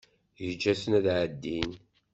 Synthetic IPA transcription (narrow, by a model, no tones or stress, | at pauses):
jəd͡ʒːæsənæðʕəd̪ːin